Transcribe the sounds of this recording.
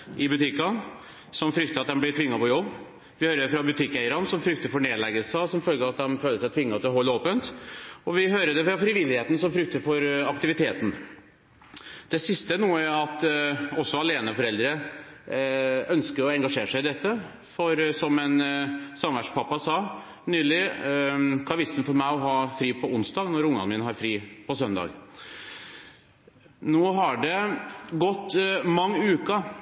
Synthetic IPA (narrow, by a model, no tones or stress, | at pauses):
ʔɪbʉt̪ʰɪkːɑn | sɔmfɾʏk̚t̪əɑt̪̚d̪ɛmblɪt̪ʰʋɪŋːɑpɔjɔbː | ʋɪhøːɾəd̪ɛfɾɑbʉt̪ʰɪkːæɪəɾɑnsɔmfɾʏkt̪əɾfɔɾɳneːd̪lɛɡəlsəsɔmfœlɡəɾɑt̪̚d̪ɛmføːlːəsæɪt̪ʰʋɪŋːɑt̪ʰɪlɦɔlːəoːpənt̪ɔʋɪɦøːɾəd̪ɛfɾɑfɾɪʋɪlːɪheːt̪n̩sɔmfɾʏk̚t̪əɾfɔɾɑkt̪ɪʋɪt̪ʰeːt̪n̩ | d̪̥ɛsɪst̪ənuːəɑt̪ɔsːɔɑleːnəfɔɾɛld̪ɾə | œnskəɾɔɛŋɡɑʂeːɾəʂæɪɪd̪ɛt̪ːə | fɔɾsɔmɛnsɑmʋæʈʂpʰɑpːɑsɑː | nyːlɪ | kʰɑʋɪsn̩fɔɾmæɪɔɦɑːfɾiːpʰɔʊnsd̪ɑːɡnɔɾʊŋːɑnmiːnəɦɑɾfɾiːpʰɔsœnd̪ɑ̰ːɡ | noːɦɑɖɛɡɔt̪ːmɑŋːʉːkɑ